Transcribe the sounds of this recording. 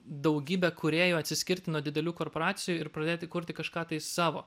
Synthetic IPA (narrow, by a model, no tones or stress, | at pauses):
d̪ɐʊɡʲiːbʲɛkʊɾʲeːjoːɐt̪ʲsʲɪsʲkʲɪɾʲt̪ʲɪnuɔd̪ʲɪd̪ʲɛlʲuːkoːɾpoːɾɑːt̪sʲɪjuːɪɾpɾɐd̪ʲeːt̪ʲɪkʊɾʲt̪ʲɪkɐʃkɑːt̪ɐɪsɑːʋo̰ː